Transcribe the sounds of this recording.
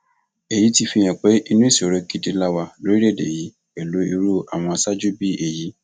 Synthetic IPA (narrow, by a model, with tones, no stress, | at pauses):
e˨ji˨˦ti˧fi˧˨j̃ɛ̃˨k͡pe˨˦i˧nũ˦i˦˨si˨o˨ɾe˧ki˦di˧la˦wa˧lo˨˦ɾi˦ɾe˦˨dḛ˨ji˨˦ | e˨lu˨˦i˧ɾu˦a˨w̃ɔ̃˧a˧sa˦d͡ʒu˦˨bi˦ʔe˨ji˨˦